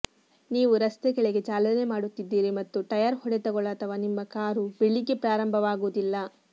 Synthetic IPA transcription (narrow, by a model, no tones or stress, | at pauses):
niːʋuɾɐst̪ekɛɭeɡe̞d͡ʒaːlɐne̞maːɽut̪ːid̪ːiːɾimɐt̪ːut̪ɐjaːɾhɔɽet̪ɐɡɔɭaːt̪ʰɐʋaːnimːɐkaːɾubeɭiɡepɾaːɾɐmbʱɐʋaːɡuːd̪ilːɐ